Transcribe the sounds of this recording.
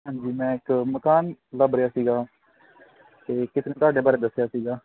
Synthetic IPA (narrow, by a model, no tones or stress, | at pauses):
ɦãːɲd͡ʒiːmɛ̃ːɪkməkaːnləbɾejaːsiːɡaː | t̪eːkɪt̪nẽːt̪ʊaːɖeːbaːɾeːd̪əsːejaːsiːɡaː